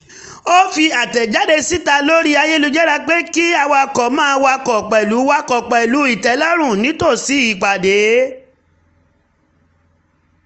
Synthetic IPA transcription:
o˦fi˧a˨tɛ˨d͡ʒa˨˦de˧si˦ta˧lo˦ɾi˦a˧je˦lu˧d͡ʒɛ˦ɾa˧k͡pe˦ki˦a˧wa˧kɔ˨mãː˦˧wa˧kɔ˨k͡pɛ˨lu˨˦wa˦kɔ˨k͡pɛ˨lu˨˦i˦˨tɛ˨˦la˦ɾ̃ũ˦˨nĩ˨˦to˦˨si˨˦i˨k͡pa˨de˨˦

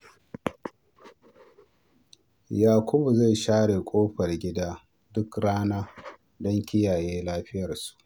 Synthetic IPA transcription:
jaː˨kʷʊ˦bu˨za˦˨jʃaː˦ɽe˨kʷʼoː˦ɸɐ˨rɡʲɪ˦daː˦ | dʊ˦kɾaː˦naː˦ | dɔ˦ŋkʲɪ˦jaː˨jeː˦laː˦ɸɪ˦jɐ˨rsu̥˨ʔ

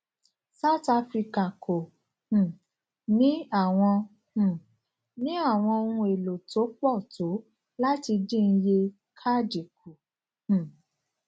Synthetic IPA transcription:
sa˦˨˦ta˦fɾi˧ka˨kʰo˨ | h̩˨ | nĩ˦a˦˨w̃ɔ̃˧ | h̩˨ | nĩ˨˦a˦˨w̃ɔ̃˧o˧nũ˧e˨lo˨tʰo˨˦k͡pɔ˦˨to˨˦ | la˦ti˧dĩ˦˨˧n̩˧je˧ | kʰa˦d͡ʒi˨kʰu˨ | h̩˨

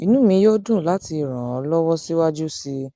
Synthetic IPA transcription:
i˨nũ˦mĩ˧jo˦dũ˦˨la˨˦ti˧i˨ɾ̃ã̰˨ɔ˨˧lɔ˦wɔ˦si˦wa˦d͡ʒu˦si˧

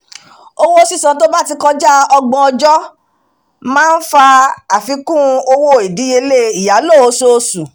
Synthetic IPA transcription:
o˧wo˦si˦˨sã˨to˦ba˦ti˧kɔ˧d͡ʒa˦ɔ˧ɡ͡bɔ̃˧ɔ˧d͡ʒɔ˦ | mãː˦n̩˦fa˧a˨fi˧˦kũ˦˧o˧wo˦˨i˨di˨˦e˧le˦˨i˨ja˨˦lo˦˨o˧˦so˧su˨

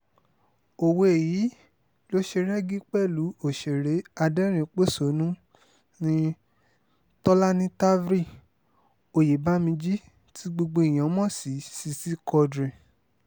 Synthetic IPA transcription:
o˨wo˧e˨ji˨˦ | lo˦ʃe˧ɾɛ˦ɡi˦k͡pɛ˦˨lu˨˦o˦˨ʃe˨ɾe˨˦a˧dɛ˦ɾ̃ĩ˧k͡po˦so˨˦nũ˦ | nĩ˧ | tɔ˦la˦nĩ˧ta˦vɾi˦˨ | o˨je˨ba˦mĩ˧d͡ʒi˦ | tʰi˦ɡ͡bo˧ɡ͡bo˧i˨j̃ã˨˦mɔ̃˦si˨˦si˧si˦kɔ˧dɾĩ˨

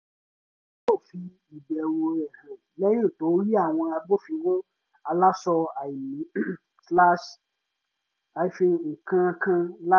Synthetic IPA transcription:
o˦˨fi˧ | i˨bɛ˨wo˧ɾɛ˨hã˨lɛ˦jo˦˨to˨˦ɾi˦a˦˨w̃ɔ̃˧a˧bo˦fĩ˧wõ˦ | a˧la˦sɔ˧a˨i˨mĩ˨˦ | sla˦ʃ | a˨i˨fĩ˧ŋ̩˨kã˧kã˧l

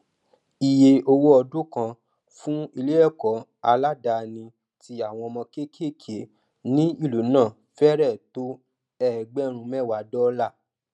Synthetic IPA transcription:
i˨je˧o˧wo˦ɔ˧du˦kã˧ | fũ˦i˧le˦ɛ˦˨kɔ˨˦ | a˧la˦da˧nĩ˧ | ti˧˦a˦˨w̃ɔ̃˧ɔ˧mɔ̃˧ke˦kʰe˦˨kʰe˨˦ | nĩ˦i˦˨lu˨˦nãː˦˨ | fɛ˦ɾɛ˦˨to˦ | ɛ˦˨ɡ͡bɛ˦ɾ̃ũ˧mɛ˦˨wa˨˦dɔ˦la˦˨

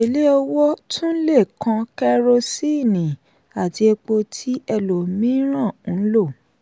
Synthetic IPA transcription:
e˨le˦ɔ˧wɔ˦tũ˦n̩˦le˦˨kʰã˧kɛ˦ɾo˧si˦i˦˨nĩ˨ | a˨ti˧e˧k͡po˧tʰi˦ɛ˧lo˨mĩ˦ɾ̃ã˦˨˦lo˦˨

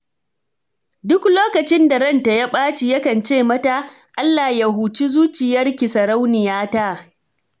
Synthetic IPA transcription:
dʊ˦kloː˦kɐ˨t͡ʃɪ˦nda˨ɾɐ˦˨nta˨ja˦ɓaː˦t͡ʃi˨jɐ˦kɐ˨nt͡ʃeː˦˨mɐ˦ta˦ | ʔa˦lːaː˨ja˦ɦuː˨t͡ʃi˦zuː˦t͡ʃɪ˨jɐ˦rkʲi˨sɐ˨ɾa˦wnɪ˨jaː˦ta˦ʔ

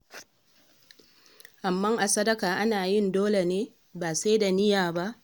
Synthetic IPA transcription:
ʔa˨mːɐ˦ŋʔa˨sɐ˦dɐ˦kaː˨ʔa˦naː˨jɪ˦˨ndoː˦le˨neː˦ | baː˨sa˦da˨nɪ˦jaː˨ba˦ʔ

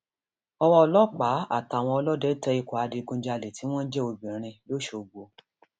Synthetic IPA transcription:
ɔ˧w̃ɔ̃˧ɔ˧lɔ˦k͡pa˨˦a̰˦˨ta˨w̃ɔ̃˧ɔ˧lɔ˦dɛ˦tɛ˦i˧kɔ˨a˧de˧ɡũ˧˦d͡ʒa˧le˨ti˨˦w̃ɔ̃˦n̩˦d͡ʒe˦o˧bĩ˨ɾ̃ĩ˧lo˦ʃo˧˨ɡ͡bo˧

